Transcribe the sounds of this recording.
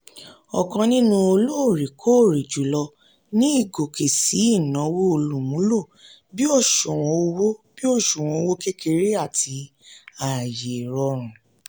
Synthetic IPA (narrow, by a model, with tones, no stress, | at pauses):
ɔ˨kã˧nĩ˦nũ˦o˧lo˦o˦˨ɾi˨kʰo˦˨ɾi˨d͡ʒu˨˦lɔ˧ | nĩ˦i˦˨ɡo˨kʰe˨si˨˦i˦˨nɔ̃˨˦wo˦o˧lu˨mũ˨˦lo˦˨ | bi˦ɔ˦˨ʃɔ˨w̃ɔ̃˧o˧wo˦b̥i˦ɔ˦˨ʃu˨w̃ɔ̃˧o˧˦wo˦ke˦kʰe˧ɾe˦a˦˨tʰi˧ | a˨je˨ɾɔ˧ɾ̃ũ˨